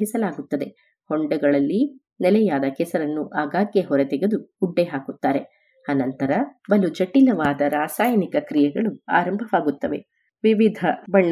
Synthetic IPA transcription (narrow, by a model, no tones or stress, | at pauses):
ɦisɐlaːɡut̪ːɐd̪e̞ | hoɳɖɐɡɐɭɐlːi | nɛlɛjaːd̪ɐkɛsɐɾɐnːuʔaːɡaːɡjeɦɔɾet̪ɛɡed̪uːɖːeɦaːkut̪ːaːɾe̞ | ɐnɐnt̪ɐɾɐbɐlud͡ʒɐʈːilɐʋaːd̪ɐɾaːsaːjɐnikɐkɾijɛɡɐɭua̰ːɾɐmbʱɐʋaːɡut̪ːɐʋe̞̰ | ʋiʋid̪ʱɐbɐɳːɐ